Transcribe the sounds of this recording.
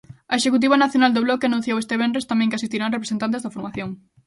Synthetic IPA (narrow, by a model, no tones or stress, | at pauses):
ɐeʃekut̪̬iβanaθjonald̪oβlɔkeanũn̟θjowest̪eβ̞enɾest̪amɛ̃ŋkeasist̪iɾaŋrepɾesent̪ant̪ezðɐfoɾmaθjoŋ